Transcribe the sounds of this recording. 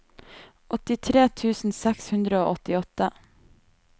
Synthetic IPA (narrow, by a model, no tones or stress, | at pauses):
ʔɔt̪ɪt̪ʰɾeːt̪ʰʉːsn̩sɛkshʉnd̪ɾəoːʔɔt̪ɪɔt̪ə